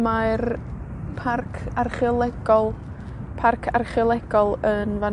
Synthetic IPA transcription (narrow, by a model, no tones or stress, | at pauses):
mar | pʰarkʰarχɪlˠɛɡɔlˠ | pʰarkʰarχɪlˠɛɡ̥ɔlˠənva